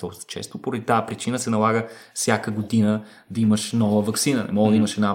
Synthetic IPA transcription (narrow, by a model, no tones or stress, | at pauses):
t̪ɔst̪ə̥t͡ʃɛ̰st̪opoɾəd̪it̪apɾit͡ʃinəsɛnɐlˠaɡəsʲjakəɡod̪inə | d̪ɐiməʃnɔvəvɐksinənɛ̰mɔɡd̪iməʃɛd̪na